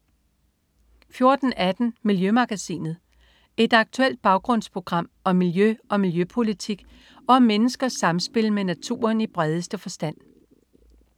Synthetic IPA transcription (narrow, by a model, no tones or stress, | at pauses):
fjo̝ɐd̥n̩æd̥n̩miljømɑ̈ɡ̥æsḭːnð̞̩ˠ | e̝d̥ɑ̈ɡ̥̚t͡sʰuel̰d̥̚b̥ɑ̈ʊɡ̥ʁɔ̽n̰spʰʁo̝ɡ̥ʁɑ̈m̰ɒ̽mːiljøɒ̽miljøpʰo̝lit͡sʰiɡ̥ | ɒ̽ɒmːenəsɡ̥ɐsɑ̈msb̥e̝lmenæt͡sʰṵːɐnib̥ʁɛð̞ˠəsd̥əfɒ̽sd̥æn̰